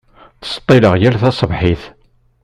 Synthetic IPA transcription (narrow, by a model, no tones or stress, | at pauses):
θə̥st̪ˤːeləʁjælθɑsˤəvħiθ